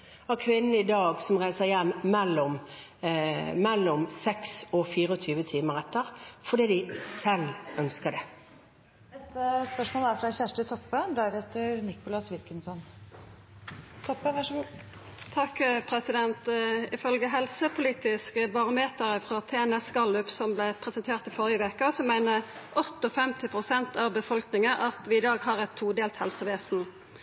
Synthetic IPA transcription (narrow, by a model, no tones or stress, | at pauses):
ækʰʋɪnn̩əɪd̪ɑːɡsɔmʁæɪsəɾjɛmːɛlːʊm | mɛlːʊmsɛksɔfiːɾəɔt̪ʰyːʋət̪ʰiːməɾɛt̪ːəʁfɔd̪iːd̪ɪsɛlʔœnskəɖ̪ɛ | nɛst̪əspœʂmoːlæɾfɾɑçæʂʈət̪ʰɔpːəd̪æɾheːt̪əɾnɪkʊlɑsʋɪlkənsɔn | t̪ʰɔpːəʋɑʂɔɡu | t̪ʰɑkːpʰʁɛsɪd̪ɛnt̪ɪfœlɡəɦɛlsəpʰʊliːt̪ɪskəbɑʁʊmeːt̪əʁəfɾɑt̪ʰeːɛnɛskɑlʉpsɔmblɛpʰʁɛsɛnt̪ʰeːʁt̪ɪfɔʁjəʋeːkəsɔmæɪnəʔɔt̪ːɔfɛmt̪ɪpʰʁʊsɛnt̪ɑʋbəfɔlknɪŋəʔɑt̪ʋɪɪd̪ɑːɡɦɑʁɛt̪ʰːuːd̪eːlt̪hɛlsəʋeːsn̩